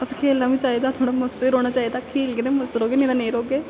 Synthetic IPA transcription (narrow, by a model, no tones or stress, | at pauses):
əsãkʰeːlnaːbĩt͡ʃaːid̪at̪ʰoːɽaməst̪ʋiɾoːɽ̃at͡ʃaːid̪akʰeːlɡeneməst̪ɾoːɡeneːd̪aneːɾoːɡeː